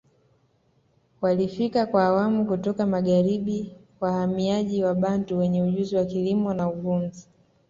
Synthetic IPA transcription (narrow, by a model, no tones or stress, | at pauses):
walifikakwaːwamukutɔkamaɠaɾiɓi | wahamiaʄiwaɓanduwɛɲɛuʄuziwakilimɔnauvum̩zi